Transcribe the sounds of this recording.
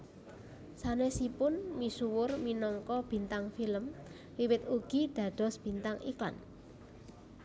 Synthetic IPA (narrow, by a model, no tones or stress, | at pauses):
sanesipʊnmisuwʊrminɔŋkɔb̥i̤nt̪aŋfiləm | wiwɪt̪̚uɡ̥i̤d̪̥ä̤ɖ̪̥ɔ̤sb̥i̤nt̪aŋikla̰n